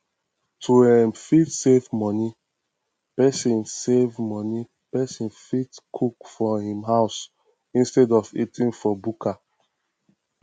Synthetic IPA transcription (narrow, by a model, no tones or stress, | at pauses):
tʰuɛ̃mfitsevmɔni | pɛsĩnsevmɔ̃ni | pɛsĩnfitkʰukfɔhĩmɦaʊs | ĩnstɛdɔvitʰĩŋfɔbukʰa